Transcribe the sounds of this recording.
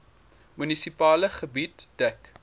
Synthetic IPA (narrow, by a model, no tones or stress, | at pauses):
mynisipɑːləχəbitd̥ək